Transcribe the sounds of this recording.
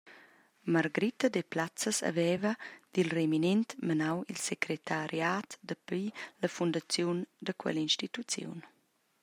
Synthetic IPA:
maɾɡəɾit̪əd̪eplat͡səsa̰vɛvəd̪̥ilreminɛnt̪mənawilsekɾet̪aɾjaːt̪d̪əpiləfund̪at͡sjund̪əkwɛ̰linʃtit̪ut͡sjṵn

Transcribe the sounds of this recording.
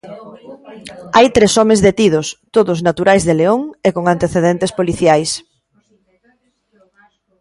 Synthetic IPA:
ajt̪ɾesɔmezðet̪ið̞ʊst̪oðʊznat̪uɾajzðeleoŋekoŋant̪eθeðent̪espoliθjajs

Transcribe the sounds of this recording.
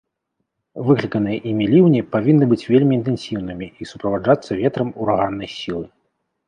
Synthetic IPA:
vɨklʲikɐnɨjɛʔimʲilʲiwnʲipavʲinːɨbɨt͡sʲvʲelʲmʲiːnt̪ɛnsʲiwnɨmʲiisupɾɐvad͡ʐat̪sːɐvʲɛt̪ɾɐmuɾaɣanːɐjsʲilˠɨ

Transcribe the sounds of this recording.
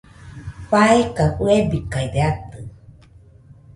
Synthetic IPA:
ɸaekaʔuebikaid̪eat̪ɨ

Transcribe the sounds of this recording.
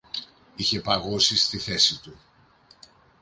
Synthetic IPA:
içe̞pɐɣusist̪iθe̞sit̪u

